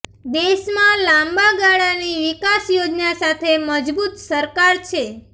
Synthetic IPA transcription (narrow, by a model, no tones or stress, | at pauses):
d̪eʃmãlãmbaɡaɽaniʋikasjod͡ʒnasat̪ʰeməd͡ʒbut̪səɾkaɾt͡ʃʰe